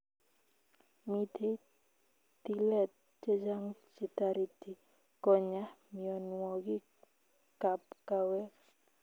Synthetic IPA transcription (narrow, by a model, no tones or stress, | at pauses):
mit̪ʰe | t̪ilɛt̪̚ | t͡ʃed͡ʒaŋt͡ʃit̪aɾit̪i | kɔɲahmiɔnwɔɡi | kap̚kawɛ